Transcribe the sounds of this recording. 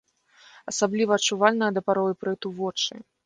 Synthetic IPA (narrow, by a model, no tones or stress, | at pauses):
ɐsablʲivɐːt͡ʂːuvalʲnɐjɐd̪ɐpaɾɔjɨpɾɛt̪uvɔt͡ʂɨ̰